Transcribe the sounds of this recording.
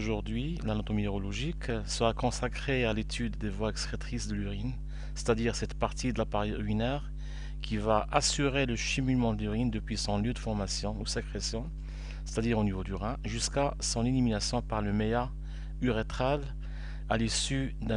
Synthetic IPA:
oʒuʁd̪ɥilanɔt̪omineʁɔlɔʒiksəʁakɔ̃sakχealet̪ʰyd̪ːevwaɛkstχet̪χisd̪əlyʁin | se̥t̪ad̪iʁsɛt̪paʁt̪id̪əlapaʁiʁyinɛʁ | kʰʲivaʔasyʁeləʃimylmɑ̃d̪əlyʁind̪əpɥisɔ̃ljød̪əfɔʁmasjɔ̃usəkχesjɔ̃ | se̥t̪ad̪iʁonivod̪yʁɛ̃ʒyskasɔ̃neliminasjɔ̃paʁləmea | yʁet̪χal | alisyd̪ɛ̃

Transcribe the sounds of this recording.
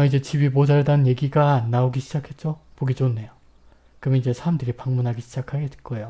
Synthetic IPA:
id͡ʑe̞t͡ɕibipod͡ʑaɭdanɯnje̞ɡiɡaːnːaoɡiɕʰid͡ʑakʰe̞t̚t͡ɕ͈opoɡid͡ʑonːe̞jo | kɯmid͡ʑe̞sʰaɾamdɯɾipaŋmunɦaɡiɕʰid͡ʑakʰaɡek͈ʌejo

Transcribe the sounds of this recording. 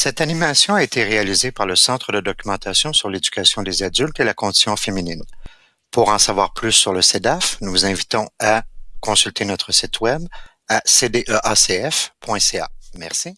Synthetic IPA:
sɛt̪animasjɔ̃aet̪ʰeʁealizepaʁləsɑ̃t̪χəd̪əd̪ɔkʲymɑ̃t̪asjɔ̃syʁledd͡zy̥kʲasjɔ̃d̪ezad͡zylt̪elakɔ̃d̪i̥sjɔ̃feminin | puʁɑ̃savwaʁplysːyʁləsed̪afnuvuzɛ̃vit̪ɔ̃akɔ̃sylt̪ʰenɔt̪χəsit̪wɛb | ased̪eʔøʔaseɛfpʰwɛ̃sea̰mɛʁsi

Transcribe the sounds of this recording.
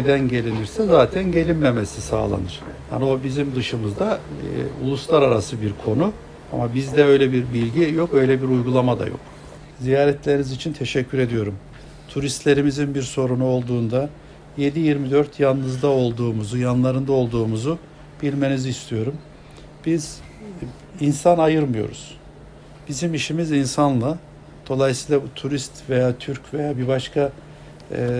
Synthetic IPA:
ned̪ænɟe̞lʲiniɾsɛzaːt̪ʰænɟe̞lʲinmemesisa̰ːlˠa̰nɯɾ̥ha̰nio̞bizimd̪ɯʃɯmɯzd̪aṵlˠuslˠaɾaɾasɯbiɾkʰo̞nu | a̰mabizd̪ɛø̞jlʲɛbiɾbilʲɟijo̞kø̞jlʲɛbiɾujɡulˠamad̪a̰jo̞̰k | zijaːɾɛt̪ʰlʲe̞ɾinizit͡ʃʰint̪ʰe̞ʃɛcʰːyɾe̞d̪ijo̞ɾum | t̪ʰuɾist̪lʲe̞ɾimizinbiɾso̞ɾunuo̞lˠd̪uːnd̪a | je̞d̪ijiɾmid̪øɾt̪ʰjanːɯzd̪ao̞lˠd̪uːmuzujanlˠaɾɯnd̪ao̞lˠd̪uːmuzu | b̥ilʲme̞nizːst̪ʰijo̞ɾum | b̥iz | insanajɯɾmɯjo̞̰ɾṵz̥ | bizimiʃimizinsanlˠa | d̪̥o̞lˠajsiːlˠabut̪ʰuɾist̪ve̞jaːt̪ʰyɾcve̞jaːbibaʃkʰa

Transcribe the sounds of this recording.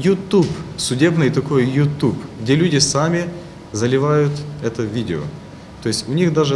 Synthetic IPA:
jʊt̪upsʊdʲe̞bnɨjt̪ɐko̞jjʊt̪upɡdʲelʲʉdʲɪsamʲɪ | zɐlʲɪvajʊt̪ɛt̪əvʲidʲɪo̰ | t̪o̞jɪsʲtʲʊnʲixd̪aʐɨ

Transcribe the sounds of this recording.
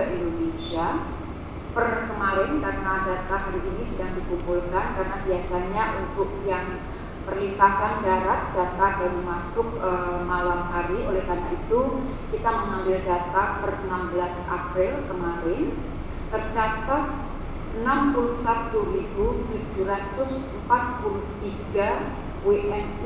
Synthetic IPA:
aʔindonesia | pərkəmaɾɪnkarənadat̪ahaɾiʔːnisədaŋdikupulkankarənabiasaɲaʔunt̪ʊk̚jaŋ | pərlit̪asandaɾat̪̚d̥at̪adanimasʊk̚əmalamɦaɾiolɛhkanaʔit̪u | kit̪aməŋambɪldat̪apərənambəlasʔa̰pɾɪlkəmaɾɪn | t̪ərd͡ʒat̪ap̚ | ənampuluhsat̪uribud͡ʒud͡ʒuɾat̪ʊsəm̩pat̪̚puluht̪iɡa | weʔɛn

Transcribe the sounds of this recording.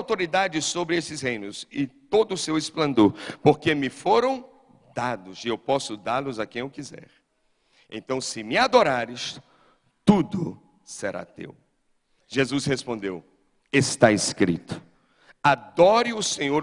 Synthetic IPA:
wt̪oɾid̪ad͡ʒɪsobɾɪesɪshẽj̃nʊsɪt̪od̪ʊsewesplɐ̃nd̪oɾpoɾkemɪfoɾɐ̃w̃ | d̪ad̪ʊziewpɔsʊd̪aɾlʊzakẽj̃ewkizɛ̰ɾ | ḛ̃nt̪ɐ̃w̃sɪmɪad̪oɾaɾɪs | t̪ud̪ʊ | seɾa̰t̪ḛw | ʒ̥ezushespõnd̪ḛw | est̪aeskɾḭt̪ʊ̥ | ad̪ɔɾɪʊsẽɲoɾ

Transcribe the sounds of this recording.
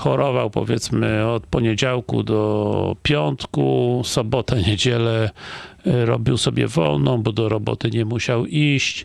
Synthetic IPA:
xɔɾɔvawpɔ̰vʲjɛt̪smɘɔt̪pɔɲed͡ʑawkṵd̪ɔpʲjɔnt̪kusɔbɔt̪aɲed͡ʑɛlɛ | ɾɔ̰bʲiwsɔbʲjɛ̰vɔ̰lnɔ̃w̃bɔd̪ɔɾɔbɔ̰t̪ɘɲɛmuɕawiɕt͡ɕ

